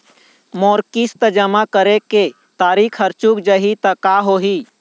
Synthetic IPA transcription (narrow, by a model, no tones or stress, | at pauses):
moɾkist̪əd͡ʒəmakəɾeke | t̪aɾikʰɦəɾt͡ʃukd͡ʒəɦit̪əkaɦoɦi